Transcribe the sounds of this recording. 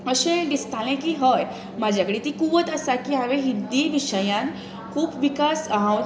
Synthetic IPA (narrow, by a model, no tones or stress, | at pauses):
əɕẽd̪ist̪ʰalẽkiːɦəj | mad͡ʑʱjakəɽit̪iːkuʋət̪əsakiɦaʋẽɦid̪iʋiɕəjãn | kʰuːpʋikasəɦãw